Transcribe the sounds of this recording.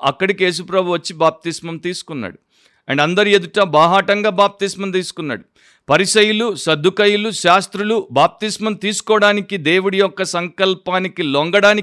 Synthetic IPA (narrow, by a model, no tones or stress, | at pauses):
ɐkːɐɽike̞ːs̬upɾɐbʱuʋɐt͡ʃːibaːp̚t̪ismɐmt̪iːsu̥kunːa̰ːɽu | ɐ̰ɳɖɐnd̪ɐɾied̪uʈɐbaːɦaːʈɐŋɡaːbaːp̚t̪ismɐmt̪iːsu̥kunːa̰ːɽu | pɐɾiʃɐjulusɐd̪ʱːukɐjuluʃaːst̪ɾulubaːp̚t̪ismɐmt̪iːsu̥kɔːɐɽaːnikid̪e̞ːwuɽijɔkːɐsɐŋkɐlpaːnikiloŋɡɐɽaːni